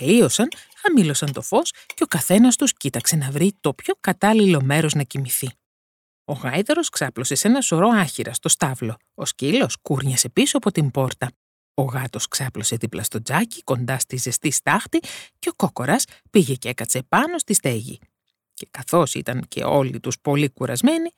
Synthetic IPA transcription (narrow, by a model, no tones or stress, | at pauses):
klio̞sɐn | ɐmilo̞sɐnt̪o̞fo̞sce̞okɐθe̞nɐst̪uscit̪ɐkse̞nɐvɾit̪o̞pço̞kɐt̪ɐlilo̞me̞ɾo̞znɐcimiθi | o̞ɣɐjðeɾo̞sksɐplo̞se̞se̞nɐso̞ɾo̞ɐçiɾɐst̪o̞st̪ɐvlo̞ | oscilo̞skuɾɲɐse̞pisuɐpo̞t̪imbo̞ɾt̪ɐ | o̞ɣɐt̪o̞sksɐplo̞seðiplɐst̪o̞d͡zɐci̥ko̞nd̪ɐst̪ize̞st̪ist̪ɐxt̪iceo̞koko̞ɾɐspiʝe̞ce̞kɐt̪se̞pɐno̞st̪ist̪e̞ʝḭ | ce̞̥kɐθo̞sḭt̪ɐŋcʰe̞̰o̞̰lḭt̪uspo̞likuɾɐ̰zme̞ni